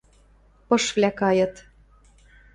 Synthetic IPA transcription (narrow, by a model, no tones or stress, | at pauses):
pɤ̆ʃvlʲækɑjɤ̆t̪